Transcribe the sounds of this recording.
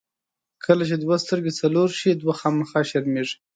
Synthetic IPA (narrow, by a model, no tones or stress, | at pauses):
kʰəlat͡ʃed̪wast̪əɾɡet͡saloɾʃid̪waxɑmaxɑʃaɾmeʐi̥